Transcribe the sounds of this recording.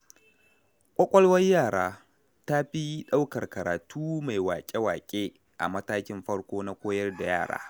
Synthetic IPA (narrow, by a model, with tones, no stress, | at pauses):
kʷʼɐ˦kʷʼɔ˦lwɐ˦jjaː˦˨ɽaː˦ | ta˦ɸi˦ɗa˦wkɐ˨rkɐ˨ɾaː˨tʰuː˦ma˨jwaː˨kʲʼe˦waː˨kʲʼeː˦ | ʔa̰˨mɐ˦taː˦kʲɪ˦mɸɐ˦ɽkʷoː˦na˦kʷoː˦jɐ˦rda˨jaː˦˨ɽa̰ː˦